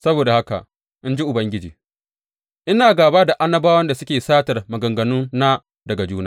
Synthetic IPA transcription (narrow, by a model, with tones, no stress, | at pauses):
sɐ˦boː˨da˨ha˦ka̰˨ʔ | ʔɪ˦nd͡ʒi˦ʔʊ˨bɐ˦ŋɡʲɪ˦d͡ʒḭː˨ | ʔɪ˦naː˨ɡaː˨baː˦da˨ʔa˦nːɐ˦baː˦wɐ˦nda˨sʊ˦kʲeː˨saː˦tɐ˨rmɐ˨ɡɐ˨ŋɡɐ˨nʊ˦nnaː˦ | dɐ˨ɡa˨d͡ʒuː˦na̰˦